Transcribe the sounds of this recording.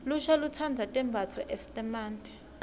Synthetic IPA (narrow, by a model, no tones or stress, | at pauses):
luʃalut͡sʰand͡zʱatʼɛmbʱat͡sʰwɔʔesi̥tʼɛmaːntɛ̥